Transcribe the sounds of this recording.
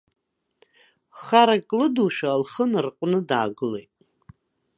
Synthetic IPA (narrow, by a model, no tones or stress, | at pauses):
χaɾakʼlɨduʃᶣalχənrqʷʼnɨdaːɡɨlejtʼ